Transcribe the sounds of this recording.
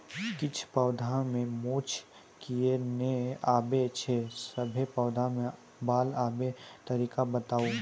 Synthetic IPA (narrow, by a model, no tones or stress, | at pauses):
kɪt͡ʃʰpəːd̪ʱamẽmoːt͡ʃʰ | kieneaːbet͡ʃʰesəbʱepːd̪ʱamẽ | baːlaːbet̪ɐɾiːkabət̪aːu